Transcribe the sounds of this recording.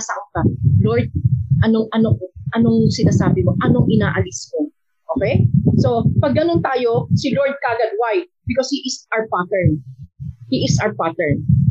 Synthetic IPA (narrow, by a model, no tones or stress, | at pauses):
sakokɐloɹd̪̚ʔɐno̞ŋʔɐnoʔɐnoŋsɪnaːsaːbɪko̞ʔɐno̞ŋʔɪnaːʔɐlɪsko | ʔoːkɛjso̞pɐɡ̚ːɐnont̪aːjo̞sɪloɹd̪̚kaːɡɐd̪̚wajt̪̚bɪkoshiʔɪsawɹpat̪ɛɹ | hiʔɪsawpat̪ɛɹn